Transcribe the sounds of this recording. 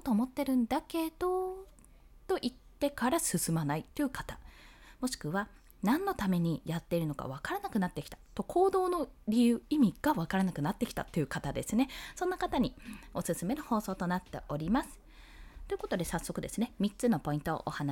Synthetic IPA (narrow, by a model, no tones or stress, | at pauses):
ot̪o̞ːmo̞t̪ːe̞ɾɯ̟̃nd̪ake̞d̪̥o̞ | t̪o̞ʔit̪ːe̞kaɾasɨsɨmanait̪ːojɯ̟kat̪ḁ | mo̞ɕi̥kɯ̟βa | nãnːo̞t̪ame̞ɲ̟ijat̪ːe̞iɾɯ̟no̞ka̰β̞akaɾanakɯ̟nat̪ːe̞kʲi̥t̪ḁt̪o̞kʰo̞ːd̪o̞ːno̞ɾʲijɯ̟ːimʲiɡ̥aβakaɾanakɯ̟nat̪ːe̞ki̥t̪a̰t̪ːo̞jɯ̟kat̪ad̪e̞sɨne̞so̞nːakat̪aɲ̟io̞sɨsɨme̞noho̞ːso̞ːt̪o̞nat̪ːe̞̰ʔo̞ɾʲimasɨ̥ | t̪oiɯ̟ko̞t̪o̞d̪e̞sasːo̞kɯ̟d̪e̞sɨne̞mʲitt͡sɨno̞po̞ĩnt̪o̞̰ʔohana